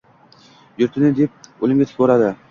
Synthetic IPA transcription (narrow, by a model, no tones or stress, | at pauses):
jʊɾt̪ʰɪnɪd̪ep̚olˠɪmɡʲat̪ʰɪ̥k̚ʰʲboɾad̪ɪ